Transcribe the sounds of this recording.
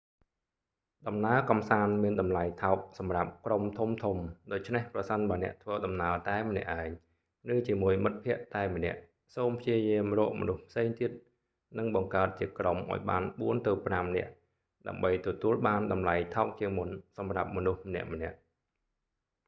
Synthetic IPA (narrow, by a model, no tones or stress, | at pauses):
ɗɑmnaəkɑmsaːnmiənɗɑmlajt̪ʰaɔk̚sɑmrap̚kromt̪ʰumt̪ʰumɗoːc̚t͡ɕʰnehprɑsənɓaənɛ̆əʔt̪ʰʋəːɗɑmnaət̪aɛmə̆nɛ̆əʔːaɛɲ | rɨːt͡ɕiəmuəjmɨt̪̚pʰĭəʔt̪aɛmə̆nɛ̆əʔ | soːmpʰjiəjiəmrɔːʔmɔ̰nuhpʰseːŋt̪iət̪̚ | nɨŋɓɑŋkaət̪̚t͡ɕiəkromʔa̰ɔjɓa̰ːnɓuənt̪ɨwpramnɛ̆əʔ | ɗa̰əmɓəjt̪ɔt̪uəlɓaːnɗɑmlajt̪ʰaɔk̚t͡ɕiəŋmunsɑmrap̚mɔnuhmənɛ̆əʔmə̆nɛ̆əʔ